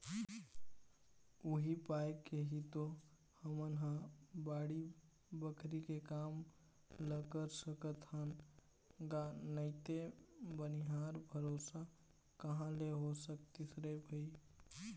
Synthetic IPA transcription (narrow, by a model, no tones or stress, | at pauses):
uɦipajkːeɦit̪o | həmənɦə̃baːɽi | bəkʰɾikekam | ləkəɾsəkət̪ɦən | ɡanəɪt̪ebəniɦaɾbʱəɾosa | kəɦãleɦosək̚t̪isɾebʱəi